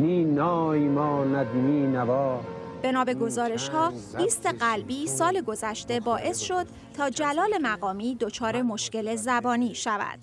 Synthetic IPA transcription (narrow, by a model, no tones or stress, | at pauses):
niːnɔːimɔːnæd̪miːnæbɔːb̥e̞nɒːbe̞ɡo̞zɒːɾe̞ʃhɒːliːst̪e̞ɢælbiːsɒːle̞ɡo̞zæʃt̪e̞bɒːʔe̞sʃo̞d̪̚ | t̪ʰɒːd͡ʒælɒːle̞mæɣɒːmiːd̪o̞t͡ʃʰɒːɾe̞mo̞ʃkce̞le̞zæbɒːniːʃævæ̰d̪̥